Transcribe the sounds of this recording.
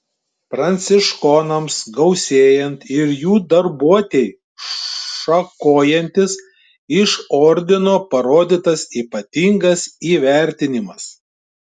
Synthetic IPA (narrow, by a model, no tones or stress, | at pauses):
pɾɐnʲt̪sʲɪʃkɔnɐmsɡɒʊsʲeːjɛnt̪ɪɾjuːd̪ɐɾbuɔt̪ʲeɪ | ʃɐkoːjɛnʲt̪ʲɪs | ɪʃɔɾʲd̪ʲɪnoːpɐɾoːd̪ʲɪt̪ɐsiːpɐt̪ʲiŋɡɐsiːʋʲæˑɾʲt̪ʲɪnʲɪmɐs